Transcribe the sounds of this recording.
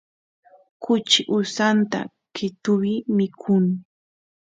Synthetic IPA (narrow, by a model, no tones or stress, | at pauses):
kʊt͡ʃɪʔʊsant̪a̰ | kɪt̪ʊwɪmɪkʰʊŋ